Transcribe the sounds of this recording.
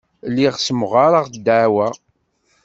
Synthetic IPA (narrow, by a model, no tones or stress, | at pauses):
lːiʁsəmʁaɾaʁd̪ːaʕwæ